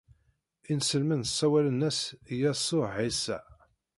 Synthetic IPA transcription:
insəlmənəsˤːæwælənːæsjæsˤːoisæ̰

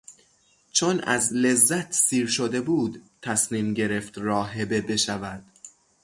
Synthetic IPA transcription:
t͡ʃʰonʔæ̰zle̞zːæt̪ʰsiːɾʃod̪e̞buːd̪t̪ʰæsniːmɟe̞ɾe̞ft̪ɾɒːɦe̞be̞be̞ʃævæd̪̥

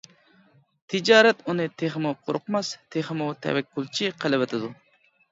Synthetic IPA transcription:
t̪ʰɪd͡ʒɑːɾɛt̪unɨt̪ʰeχmuqʰoɾʊqmɑst̪ʰeχəmut̪ʰɛ̰wɛkʲʰːulˠt͡ʃʰiqʰəlˠɪvɨt̪ʰɪd̪u

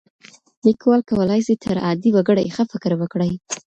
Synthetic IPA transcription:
likwɑlkawəlɑjsit̪ʰəɾɑd̪iwaɡəɽajexəfɪkɾwəkɽəj

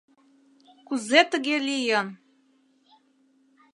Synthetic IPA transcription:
kuzet̪əɣelijə̆n

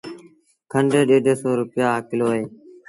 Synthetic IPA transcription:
kʰəɳɖeːɗeːɖʱəsoːɾʊpɪjaːaːkɪloːɦeː

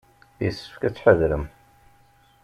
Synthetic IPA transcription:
jəsːə̥fkæt͡sːħəðɾəm

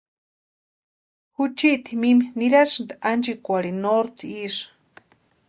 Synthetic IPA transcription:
hut͡ʃiʔt̪imiminiɾasɨnt̪aand͡ʒikʷaɾinoɾt̪iiʂ

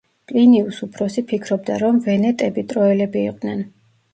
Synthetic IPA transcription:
pʼliniusupʰɾɔsipʰikʰɾɔb̚d̪aɾɔmvɛnɛt̪ʼɛbit̪ʼɾɔɛlɛbiːqʼd̪nɛn

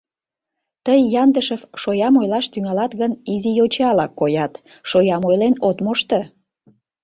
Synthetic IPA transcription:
t̪əjːɑnd̪əʃəfʃojɑmojlɑʃt̪yŋɑlɑt̪ɣənizijot͡ɕɑlɑkːojɑt̪ | ʃojɑmojlenot̪moʃt̪ə

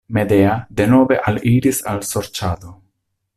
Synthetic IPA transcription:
me̞de̞ade̞no̞ve̞ʔaliɾisalso̞ɾt͡ʃado

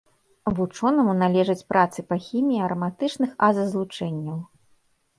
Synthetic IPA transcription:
vut͡ʂɔnɐmunalʲɛʐɐt͡sʲpɾʔat̪sɨpɐxʲimʲijiɐɾɐmat̪ɨt͡ʂnɨxazɐzlˠut͡ʂɛnʲːɐw

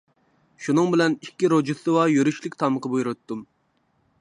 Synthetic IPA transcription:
ʃunɨŋbɪlɛnikʲːiɾod͡ʒusɨwɑjøɾyʃlɪkʲt̪ʰɑməqəbujɾɨt̪ʰːum

